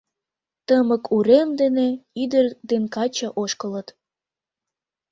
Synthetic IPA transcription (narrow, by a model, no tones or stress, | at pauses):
t̪əməkʰuɾemd̪eneid̪ərd̪enkɑt͡ɕɑʔoʃkələt̪